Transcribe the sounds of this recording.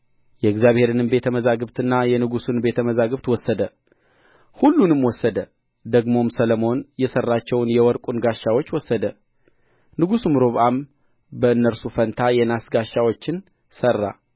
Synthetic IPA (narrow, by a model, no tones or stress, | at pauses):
jɛɨɡzjaβhe̞ɾɨnɨmbe̞t̪ʰəməzaɡɨβt̪ʰɨnːajɛnɨɡusunbe̞t̪ʰəməzaɡɨβt̪wɔsːəd̪ə | hulːunɨmwɔsːəd̪ə | d̪əɡmo̞msələmo̞njɛsərːat͡ʃːɛwnjɛwɔɾkʼunɡaʃːawo̞t͡ʃːwɔsːəd̪ə | nɨɡusumɨɾo̞βʔam | bəɨnːəɾsufənt̪ʰajɛnasɡaʃːawo̞t͡ʃːɪn | sərːa̰